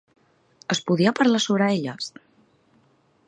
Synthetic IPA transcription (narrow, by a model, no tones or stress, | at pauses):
əspuðiapəɾlasoβɾəeʎəs